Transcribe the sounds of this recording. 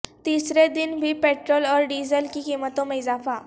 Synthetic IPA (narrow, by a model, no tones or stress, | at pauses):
t̪isɾed̪inbʱiːpeʈɾolɔɾɖizəlkiːkimət̪õməd͡zafa